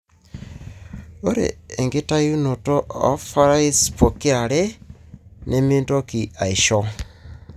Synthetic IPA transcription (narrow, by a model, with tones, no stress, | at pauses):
o˦ɾḛː˨ŋɡe˦ta˦ju˦no˨toː˦fa˦ɾa˦i˦spo˨ke˦a˨ɾe | nʔeminto˦ki˨a˨i˨ʃɔ˦